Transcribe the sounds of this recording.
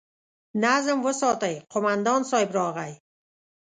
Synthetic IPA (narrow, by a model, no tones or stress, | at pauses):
nazɨmwəsɒːt̪ajqʰomand̪ɒnsɒːɪbɾɒːʁaj